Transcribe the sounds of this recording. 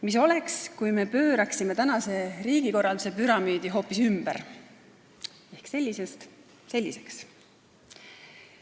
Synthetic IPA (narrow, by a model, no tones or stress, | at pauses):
miso̞le̞kskujme̞pø̞ːɾɑksime̞t̪ænɑse̞ɾiːɡ̥iko̞rɑld̪u̥se̞pyɾɑmyːd̪̥iɦo̞ːpːisymb̥ɛ̰ɾ | e̞hkse̞lʲːisest̪ | se̞lʲːise̞̥ks